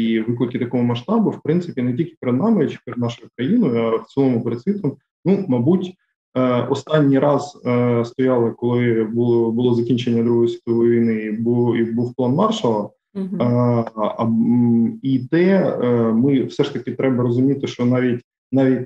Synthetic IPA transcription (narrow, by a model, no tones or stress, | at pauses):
iʋɪklˠɪkɪt̪ɐkɔɦɔmɐʃt̪ɑbʊwpɾɪnt̪sɪpʲinɛtʲilʲkʲɪ̥peɾɛd̪nɑmɪt͡ʃɪ̥pɛɾed̪nɑʃʊjʊkɾɐjinʊjɐft̪silˠɔmʊpeɾed̪sʲʋʲit̪ɔm | numɐbutʲ | ɔst̪ɑnʲːijɾɑzəst̪ɔjɑlˠɪkɔlˠɪbulˠbʊlˠɔzɐkʲinʲt͡ʃenʲːɐd̪ɾuɦɔjɔsʲʋʲi̥t̪ɔʋɔjʋʲijnɪibuibuwplˠɑnmɑrʃɐlˠɐ | it̪ɛmɪfsɛʂt̪ɐkɪt̪ɾɛbɐɾɔzʊmʲit̪ɪʃt͡ʃɔnɑʋʲit̚ʲ | nɑʋʲitʲ